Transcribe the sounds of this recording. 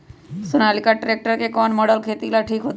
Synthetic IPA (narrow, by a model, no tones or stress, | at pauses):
sunalikaʈɾek̚ʈəɾkekɔnmɔɽəlkʰet̪ilaʈʰiːkɦot̪